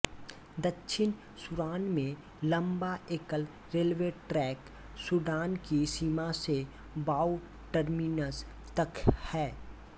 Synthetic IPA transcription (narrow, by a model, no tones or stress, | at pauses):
d̪ɐkːʃʰɪn | sʊɾaːnmẽ | lə̃mbaeːkəl | ɾeːlʋeʈɾɛːk | suɖaːnkisiːmase | baːu | ʈəɾmiːnəs | t̪əkhɛː